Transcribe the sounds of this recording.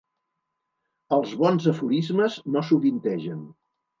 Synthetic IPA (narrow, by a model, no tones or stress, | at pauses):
əlˠzβɔnzəfuɾizməznosuβint̪ɛʒən